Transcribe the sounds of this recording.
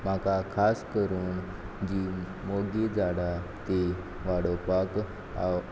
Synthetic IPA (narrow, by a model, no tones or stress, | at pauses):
makakʰaskəɾuːn | d͡ʑiː | moɡid͡zaɽat̪e | ʋaɽopak | a